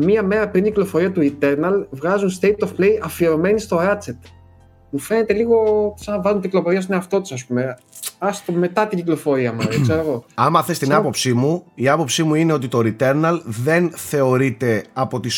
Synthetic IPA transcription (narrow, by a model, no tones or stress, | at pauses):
miɐme̞ɾɐpɾiniciklo̞fo̞ɾiɐt̪uit̪e̞ɾnɐlvɣɐzunst̪ejt̪ofplejʔɐfieɾo̞me̞nist̪o̞ɾɐt͡set̪ | mufenet̪e̞liɣo̞senɐvɐzunt̪iciklo̞fo̞ɾiɐs̬neɐft̪o̞t̪u̥sɐspume | ɐst̪ome̞t̪ɐt̪iɲɟiklofo̞ɾiɐmɐekseɾoɣo̞ɐmɐθe̞st̪inɐpo̞psimuiɐpo̞psimuine̞o̞t̪it̪oɾit̪e̞ɾnɐlðe̞nθe̞o̞ɾit̪e̞ɐpo̞t̪is